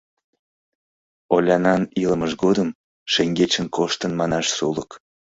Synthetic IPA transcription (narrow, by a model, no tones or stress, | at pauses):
olʲɑnɑniləməʒɡod̪əm | ʃeŋɡet͡ɕənkʰoʃt̪ənmɑnɑʃsulək